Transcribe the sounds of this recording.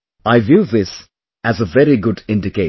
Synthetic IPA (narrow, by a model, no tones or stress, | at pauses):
aɪvjuðɪs | æzəvɛɾiɡʊɖɪ̃ndɪkeɪ